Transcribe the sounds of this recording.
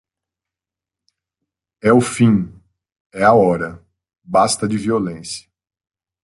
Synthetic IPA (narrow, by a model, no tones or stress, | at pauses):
ɛʊfĩ | ɛaɔɾɐ | bast̪ɐd͡ʒɪviolẽsjɐ̥